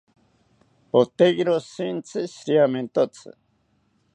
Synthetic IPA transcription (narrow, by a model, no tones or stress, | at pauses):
ot̪eɡɾosint͡sʰɨsɾjament̪ot͡sʰɨ̰